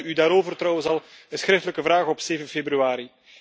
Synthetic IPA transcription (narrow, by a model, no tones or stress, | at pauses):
ydaːɾoːvərtrɔwənzɑlˠəsxɾɪftələkəvɾaːɣɔpseːvənfebryaːɾi